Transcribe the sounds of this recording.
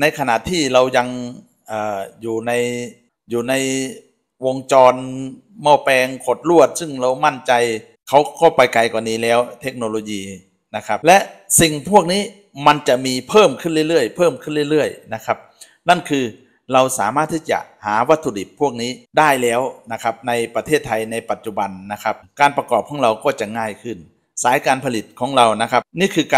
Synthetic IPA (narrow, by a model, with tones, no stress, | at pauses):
na˧jkʰa˧na̰˨˩t̪ʰːiː˥˩ɾa˧wja˧ŋ | ʔaː˨˩juː˨˩na˧j | juː˨˩na˧j | wo˧ŋt͡ɕɔː˧n | mɔː˧˩pɛː˧ŋkʰo˨˧˩t̪̚lu˥˩ət̪̚sɯ˥˩ŋɾa˧wma˥˩nt͡ɕa˧j | kʰa˦˥wkɔː˧˩pa˧jka˧jka˧˩niː˦˥lɛː˦˥wt̪ʰe˦˥k̚noː˧loː˧jiː˧ | na˦˧˥kʰa˦˥p̚lɛ˦˥ʔsi˨ŋpʰu˥˩ək̚niː˦˥ | ma˧nt͡ɕa˨˩miː˧pʰɤː˥˩mkʰɯ˥˩˨nli˧˥˩jlɯ˧˩əjpʰɤː˥˩mkʰɯ˧˥˩nli˥˩˨jlɯ˧˥˩əjna˦˥kʰa˧˦˥p̚ | na˥˩nkʰɯː˧ | ɾa˧wsaː˩˦maː˥˩t̪ʰːiː˧˥˩t͡ɕa̰˧˩ʔhaː˩˦wa˦˥t̪ʰːu˧di˨˩t̪̚pʰːu˥˩ək̚niː˦˥˩daː˥˩jlɛː˦˥wna˧˥kʰa˦˥p̚na˧jpa˧t̪ʰeː˥˩t̪ʰːa˧jna˧jpa˨˩t̪̚t͡ɕu˧˩ba˧nːa˦˥kʰa˦˥p̚kaː˧npa˧kɔː˨˩p̚kʰɔː˩˦ŋɾa˧wkɔː˧˥˩t͡ɕa˨˩ŋaː˧˩jkʰɯ˧˩n | saː˨˦jkaː˧npʰa˧li˨˩t̪̚kʰɔː˩˦ŋɾa˧wna˦˥kʰa˦˥p̚niː˥˨˩kʰɯː˧kː